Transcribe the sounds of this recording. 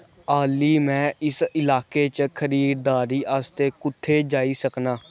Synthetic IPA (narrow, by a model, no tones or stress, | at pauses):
aːliːmɛ̃ːɪsɪlaːkeːt͡ʃkʰəɾiːɾd̪aːɾiːʔaːst̪eːkʊt̪ʰːeːd͡ʒaːiːsəknaː